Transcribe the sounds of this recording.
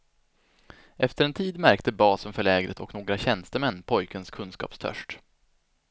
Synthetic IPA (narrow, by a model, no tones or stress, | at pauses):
ʔɛft̪əɾɛnt̪ʰiːd̪mæɾkt̪əbɑːsənfœɭɛːɡɾə̰t̪ʰɔknoːɡɾaɕɛnst̪əmɛnːpʰɔjkənskʰɵnskɑ̰ːpst̪ʰœ̰ʂʈ